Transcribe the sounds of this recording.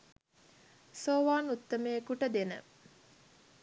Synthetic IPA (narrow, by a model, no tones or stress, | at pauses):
soːʋaːnut̪ːəmekuʈəd̪enə̰